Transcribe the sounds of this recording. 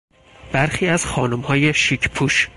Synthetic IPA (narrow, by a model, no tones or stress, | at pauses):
b̥æɾxiːæz̥xɒːnumhɒːjeʃiːcʰpʰuːʃ